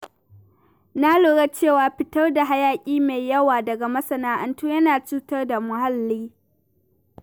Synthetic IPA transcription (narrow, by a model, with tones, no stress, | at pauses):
na˦loː˨ɽɐ˦t͡ʃeː˦˨waː˨ɸɪ˦tɐ˦rda˨ɦa˦jaː˨kʲʼiː˦me˨jjɐ˦waː˨dɐ˨ɡa˨mɐ˦sɐ˦naː˦ʔɐ˨ntuː˦jɐ˦naː˨t͡ʃuː˦tɐ˦rda˨mʊ˨ɦa˦lːiː˦